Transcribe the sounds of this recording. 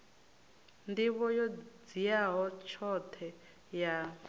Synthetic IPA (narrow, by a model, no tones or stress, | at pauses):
ndiβɔjɔd͡zijaɦɔt͡ʃʰɔt̪ʰɛ | ja